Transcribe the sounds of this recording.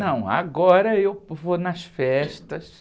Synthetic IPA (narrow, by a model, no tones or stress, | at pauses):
nɐ̃w̃a̰ɡɔɾɐewvonɐsfɛʃt̪ɐs